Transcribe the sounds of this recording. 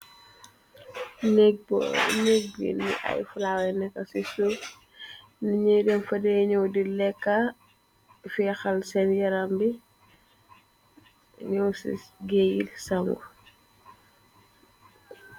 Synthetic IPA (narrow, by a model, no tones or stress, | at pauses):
n | nɛɡ̚bḭlḭʔɐ̰jfulawɛnɛkːɐsisu | niɲidɛnfɐdɛɲɔwdilɛkːa | fɛxɐlsɛnjɐɾambi | ɲɔwsḭɡejilsɐŋɡu